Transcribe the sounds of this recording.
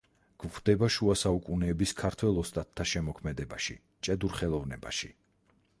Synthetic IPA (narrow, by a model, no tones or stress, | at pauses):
ɡ̥vʁd̪̥ɛbaʃuasaukʼunɛːbiskʰaɾt̪ʰwɛlˠɔst̪ʼat̪ʰːaʃɛmɔkʰmɛd̪ɛbaʃḭ | t͡ʃʼɛd̪uɾχɛlˠɔvnɛba̰ʃi